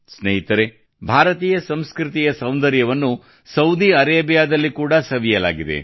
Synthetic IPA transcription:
sneɦit̪ɐɾe | bʱaːɾɐt̪iːjɐsɐmskɾit̪ijɐsɐwnd̪ɐɾjɐʋɐnːu | sɐwd̪iɐɾeːbijaːd̪ɐlːikuːɽɐsɐʋijɐla̰ːɡid̪ḛ

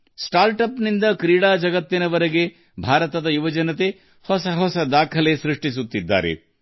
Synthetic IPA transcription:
sʈaːɾʈɐpnind̪ɐkɾiːɽaːd͡ʒɐɡɐt̪ːinɐʋɐɾeɡe̞ | bʱaːɾɐt̪ɐd̪ɐjuʋɐd͡ʒɐnɐt̪e | hɔsɐɦɔsɐd̪aːkʰɐlesɾiʂʈisut̪ːid̪ːa̰ːɾe̞̰

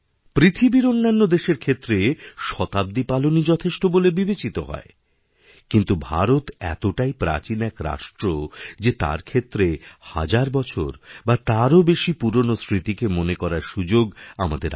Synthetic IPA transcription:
pɾit̪ʰibiɾonːanːod̪eʃeɾkʰet̪ːɾeʃɔt̪ab̚d̪ipalonid͡ʑɔt̪ʰeʃʈobolebibet͡ɕit̪oɦɔ̰e | kint̪ubʱa̰ɾot̪ɛ̰t̪oʈaipɾa̰t͡ɕinɛkɾa̰ʃʈɾod͡ʑet̪a̰ɾkʰet̪ːɾeha̰d͡ʑaɾbɔt͡ɕʰo̰ɾbat̪aɾobeʃipuɾonosɾit̪ikemonekɔɾaɾʃud͡ʑoɡamad̪eɾ

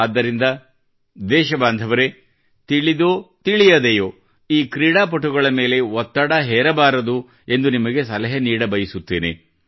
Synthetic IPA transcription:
aːd̪ːɐɾind̪ɐ | d̪ɛːʃɐbaːnd̪ʱɐʋɐɾe | t̪iɭid̪oːt̪iɭijɐd̪ejoː | iːkɾiːɽaːp̬ɐʈːuɡɐɭɐme̞ːle̞ɔt̪ːɐɽɐɦɛːɾɐbaːɾɐd̪u | e̞nd̪unimɐɡe̞sɐlɐɦɐniːɽɐbɐjisut̪ːḛːnḛ

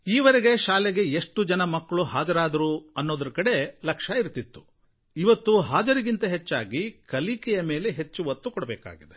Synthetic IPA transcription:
iːʋɐɾeɡe̞ʃaːlɛɡeeʂʈud͡ʒɐnɐmɐkːɐɭuɦaːd͡ʒɐɾaːd̪ɐɾuɐnːoːd̪ɐɾɐkɐɽe̞lɐkʂɐiɾt̪it̪ːu̥ | iʋɐt̪ːuɦaːd͡ʒɐɾiɡint̪ɐɦe̞t͡ʃːa̰ːɡikɐlikɛjɐme̞ːle̞ɦe̞t͡ʃːuʋɐt̪ːukɔɽɐbɛ̰ːka̰ːɡid̪e

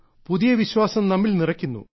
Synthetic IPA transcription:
puðijɐʋiɕwaːsɐmnɐmːilnirɐkʲːunːṵ

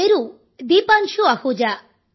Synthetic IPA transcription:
eɾu | d̪ipanʃuahud͡ʒa

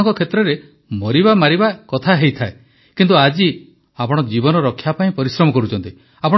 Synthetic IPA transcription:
ŋkɔkʰet̪ɾɔɾe | mɔɾibamaɾibakɔt̪ʰaɦejt̪ʰae | kint̪uad͡ʒi | apɔɽ̃ɔd͡ʒibɔnɔɾɔkʰːjapaĩpɔɾisɾɔmɔkɔɾut͡ʃʰɔnt̪i | apɔɽ

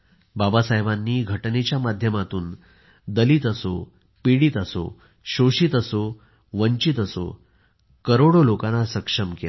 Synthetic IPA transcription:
babasaɦjbanːiːɡʱəʈnet͡ɕjamad̪ʱjəmat̪uːn | d̪əliːt̪əso | piɽiːt̪əso̰ | ɕoɕiːt̪əso | ʋəɲt͡ɕit̪əso̰ | kəɾoɽolokãnasəkʂəmkel

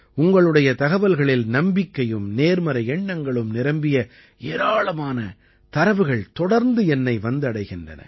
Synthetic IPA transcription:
ʊŋɡɐɭɯɽɐjɐt̪ɐɣɐʋɐlɣɐɭɪlnɐmbɪkːɐjɯmneːɾmɐɾɐɛɳːɐŋɡɐɭɯmnɪɾɐmbɪjɐ | eːɾaːɭɐmaːnɐ | t̪ɐɾɐʋɯɣɐɭt̪ɔɽɐɾnd̪ɯɛnːɐɪʋɐnd̪ɯɐɽɐɪɣɪndrɐ̰nɐ̰

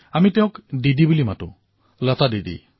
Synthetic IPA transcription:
amiteʊ̃kdidibulimatũ | lət̪adidḭ

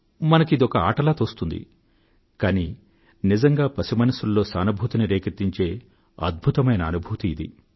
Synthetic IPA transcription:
mɐnɐkid̪iɔkɐa̰ːʈɐlaːt̪oːst̪und̪ḭ | kaːni | nizɐŋɡaːpɐsimɐnɐsulːo̞ːsaːnɐbʱut̪ɐniɾeːkɐt̪ːiɲt͡ʃe̞ː | ɐ̰d̪̚bʱut̪ɐmɐjnɐːnubʱuːt̪iːd̪ḭ

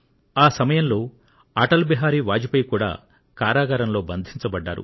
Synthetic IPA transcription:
aːsɐmɐjɐmlo̞ː | ɐʈɐlbiɦaːɾiːʋaːd͡ʒipɐjkuːɽa̰ː | kaːɾaːɡɐɾɐmlo̞ːbɐnd̪ʱiɲt͡ʃɐbɐɖːa̰ːɾṵ

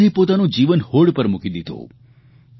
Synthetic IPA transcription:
ipot̪anõd͡ʒiʋənhoɽpəɾmukid̪id̪ʱõ̰

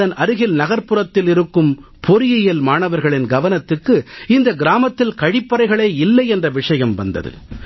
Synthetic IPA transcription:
ðɐnɐɾɯɣɪlnɐɣɐɾpɯɾɐt̪ːɪlɪɾɯkːɯm | pʰɔɾɪjɐjɐlmaːɳɐʋɐɾɣɐɭɪnɡɐʋɐnɐt̪ːɯkːɯɪnd̪ɐɡɪɾaːmɐt̪ːɪlkɐɻɪpːɐɾɐɪɣɐɭeːɪlːɐɪɛndrɐʋɪʂɐjɐmʋɐ̰nd̪ɐ̰ðɯ̰

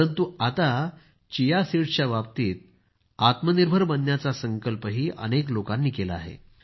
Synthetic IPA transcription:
ənt̪uat̪a | t͡ɕijasiɽt͡ɕjaʋapt̪iːt̪̚ | at̪məniɾbʱəɾbənːjat͡sasəŋkəlpəɦiːʔə̰neklokãnːiːkelaa̰ɦḛ

